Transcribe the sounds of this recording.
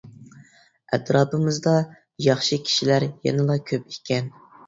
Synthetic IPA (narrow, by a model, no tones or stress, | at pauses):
æ̰t̪ɾɑːpɨmɨzd̪ɑ | jɑχʃikʲʰi̥ʃilæɾjɛ̰nɨlˠɑkʲʰøp̚ikʲʰːɛn